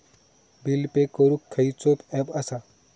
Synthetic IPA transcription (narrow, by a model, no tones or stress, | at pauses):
bilpekoɾukʰːɐit͡sopɛbɐsa